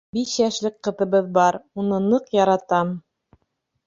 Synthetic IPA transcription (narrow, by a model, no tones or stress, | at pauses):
biʃjæʃlɘk̚qɤ̆t̪ɤ̆βɤðbɑɾunɤnɤqjɑɾɑt̪ɑm